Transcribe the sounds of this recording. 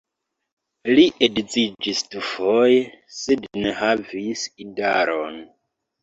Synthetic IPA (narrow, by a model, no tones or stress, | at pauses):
liʔedd͡zid͡ʒistufojesednehavisidaɾon